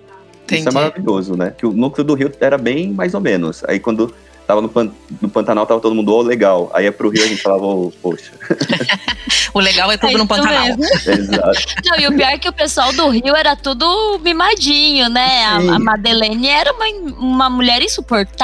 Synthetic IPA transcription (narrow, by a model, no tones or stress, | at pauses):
t̪ĩʊɛmaɾaviʎozʊnɛkɪʊnũklʊd̪ʊɦiwɛɾɐbẽj̃majzomẽnʊ̰sa̰ikwɐ̃nd̪ʊ | t̪avɐnʊpɐ̃nʊpɐ̃t̪anawt̪avɐt̪od̪ʊmũd̪ʊaʊleɡawa̰iɛpɾʊɦiwɐʒẽnt͡ʃɪ̥falavɐopoʃɐ̥ | ʊleɡawɛt̪õʊnʊ̃pɐ̃mezmʊezat̪ʊnɐ̃w̃ɪʊpiɔɾkɪʊpesuawd̪ʊɦiwɛɾɐt̪ud̪ʊmimad͡ʒĩɲʊnɛaa̰mad̪elẽnɪɛɾɐũmɐuũmɐmuʎɛɾĩsupoɾt̪a